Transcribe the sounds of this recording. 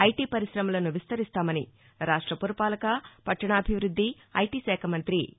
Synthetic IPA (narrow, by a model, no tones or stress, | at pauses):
ɐjʈiːpɐɾisɾɐmɐlɐnuʋist̪ɐɾist̪aːmɐni | ɾaːʂʈɾɐpuɾɐpaːlɐkɐpɐʈʂɐɳɐːbʱiʋɾud̪ːi | ɐ̰jʈiːsɛːkʰɐmɐnt̪ɾḭ